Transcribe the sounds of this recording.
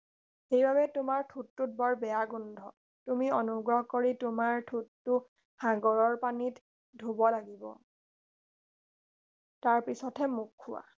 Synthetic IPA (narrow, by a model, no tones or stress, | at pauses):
ejbʱaβɛtʊmaɹtʰutːut̚bɔɹbɛjaɡundʱɔ | tumiɔnuɡɹɔɦkoɹitʊmaɹtʰutːʊ | xaɡɔɹɔɹpanit | dʱubɔlaɡibɔ̰ | taɹpisɔtʰɛmukʰːʊwa̰